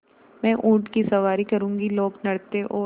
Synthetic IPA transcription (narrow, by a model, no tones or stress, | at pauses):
mɛ̃ːʔũːʈkisɐʋaːɾikɐɾũːŋɡiloːɡnɐɽt̪eʔoː